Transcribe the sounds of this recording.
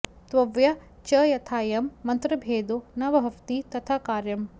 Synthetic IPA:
t̪ʋɐʋjɐ | t͡ʃɐjɐt̪ʰaːjɐmːɐnt̪ɾɐbʱeːd̪unɐʋɐɦɐʋt̪it̪ɐt̪ʰakaːɾjɐm

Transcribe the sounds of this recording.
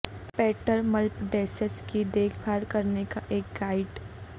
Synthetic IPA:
pɛːʈəɾmɐlpɖeːsəskid̪eːkʰbʱaːɾkɐɾnekaʔeːk̚ɡaːɪɖ

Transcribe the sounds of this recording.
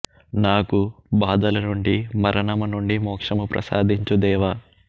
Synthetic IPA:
naːkubaːd̪ɐlɐnuɳɖimɐɾɐnɐmɐnuɳɖimɔːkʂɐmupɾɐ̰sa̰ːd̪ʱiɲt͡ʃud̪ɛːʋaː

